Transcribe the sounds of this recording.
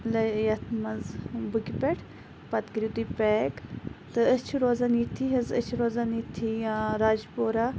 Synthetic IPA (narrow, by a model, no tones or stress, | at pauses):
lɐjɐt̪ʰmɐzbɨkipʲeʈʰ | pɐt̪kəɾʲit̪ipeːkt̪ɨɐt͡ʃʰiɾoːzanit̪ʰiɦɐzɐ̰t͡ʃʰiɾoːzanit̪ʰijaɾaːd͡ʒpoːɾa